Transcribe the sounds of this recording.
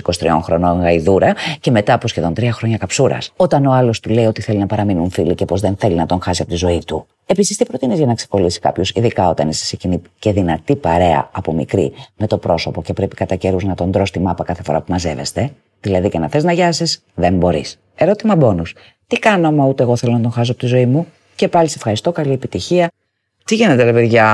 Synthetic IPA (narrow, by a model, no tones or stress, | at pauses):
iko̞st̪ɾio̞̰ŋxɾo̞no̞ŋɣɐiðuɾɐce̞me̞t̪ɐpo̞sçe̞ðo̞nt̪ɾiɐxɾo̞ɲɐkɐpsuɾɐ̰so̞t̪ɐno̞ɐlo̞st̪ule̞io̞t̪iθe̞linɐpɐɾɐminunfilicepo̞zðe̞nθe̞linɐt̪o̞ŋxɐsiɐpo̞t̪izo̞it̪u | e̞pisist̪ipɾo̞t̪inizʝɐnɐkse̥ko̞lisi̥kɐ̰pçosiðikɐo̞t̪ɐnese̥secinice̞ðinɐt̪ipɐɾe̞ɐ̰ɐpo̞mḭkɾḭme̞t̪o̞pɾo̞so̞po̞ce̞pɾe̞pi̥kɐt̪ɐce̞ɾuznɐt̪o̞nd̪ɾo̞st̪imɐpɐkɐθe̞fo̞ɾɐ̰pumɐze̞ve̞̰st̪e̞ | ðilɐðicenɐθe̞znɐʝɐsis | ðe̞mbo̞ɾḭs | e̞ɾo̞t̪imɐbo̞nus | t̪ikɐnomɐut̪eɣo̞θelo̞nɐt̪onxɐs̬oɐpot̪izo̞imu | ce̞pɐlise̞fxɐɾist̪o̞kɐlie̞pit̪içiɐ | t̪iʝinet̪eleveɾʝɐ